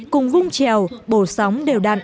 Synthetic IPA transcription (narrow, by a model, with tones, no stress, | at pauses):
kʊ˨˩ŋ͡mvʊ˧ŋ͡mt͡ɕɛ˨˩˨wɓo˧˩sɔ˨˦wŋ͡mɗe˨˩wɗa̰ː˧˨n